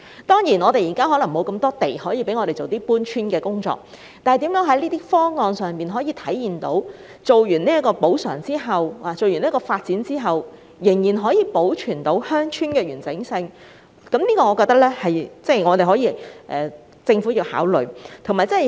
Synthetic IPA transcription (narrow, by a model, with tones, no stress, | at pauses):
t̪ɔː˥ŋjiː˨˩nɔː˨˧t̪e˨˩jiː˨˩kaː˥ɦɔː˨˥lɐ˨˩ŋmo˨˧wkɐ˧mt̪ɔː˥t̪e˨˩jhɔː˨˥jiː˧pe˨˥jŋɔː˨˧e˨jt͡so˨wt̪iː˥puː˥nt͡ʃʰyː˥nkɛː˧kʊ˥ŋt͡sɔ̰ː˧k̚ | t̪aː˨˩˨jt̪iː˨˥mjœː˨˥ŋɦɐ˨˥jliː˥t̪iː˥fɔː˥ŋɔː˨˧ŋsœː˨ŋpiː˨˩nɦɔː˨˥jiː˨˧t̪ʰɐ˨˥jjiː˨˩nt̪o˨˥w | t͡so˨wjyː˨˩niː˥ɐ˥kɔː˧po˨˥wsœ̰ː˨˩ŋt͡siː˥ɦɐ˨waː˨t͡so˨wɥy˨˩niː˥kɔː˧faː˧t̚t͡siː˨˥nt͡siː˥ɦɐ˨w | jɪ˨˩ŋjiː˨˩nɦɔː˨˥jiː˨˧po˨˥wt͡ʃʰyː˨˩nt̪o˨˥whœː˥ŋt͡ʃʰyː˥nkɛː˧ɥyː˨˩nt͡sɪ˨˥ŋsɪ˧ŋ | kɐ˨˥mniː˥kɔː˧ŋɔː˨˧kɔː˧k̚t̪ɐ˥k̚lɛː˥hɐ˨jt͡sɛ˥˩jŋɔː˨˧t̪e˨˩jɦɔː˨˥jiː˨˧ʔɛː˨ | t͡sɪ˧ŋfu˨˥jiː˧wha̰ː˨˥wlɵ̰˨˩ɥt̪ʰʊ˨˩maː˨˩jt͡sɐ˥˨˩